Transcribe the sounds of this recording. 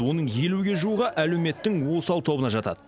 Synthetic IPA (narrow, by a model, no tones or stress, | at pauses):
wo̞nəɴje̞luɡʲe̞ʒuuʁɑʔæle̞wme̞t̪ːɪŋwo̞sɑlˠt̪ʰo̞bənɑʒɑt̪ɑ̰d̪̥ə